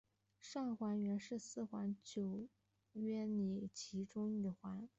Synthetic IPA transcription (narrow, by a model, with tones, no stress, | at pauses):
ʂɑ˥˩ŋxwa˧˥nɥɛ˧˥nʂɻ̩˥˧sɹ̩˥˩xwa˧˥nt͡ɕjo˨˩ʊ | ɥɛ˥ni˨˩t͡ɕʰi˧˥ʈ͡ʂʊ˥ŋy˨˩xwa˧˥n